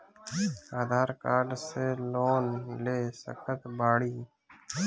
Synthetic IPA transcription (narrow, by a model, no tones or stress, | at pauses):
aːd̪ʱaːɾkaːɖseːloːnleːsə̰kʰət̪baːɽiː